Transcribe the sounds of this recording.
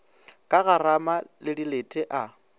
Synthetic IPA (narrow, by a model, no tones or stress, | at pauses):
kʼaɣaramalɪdiletʼɛʔa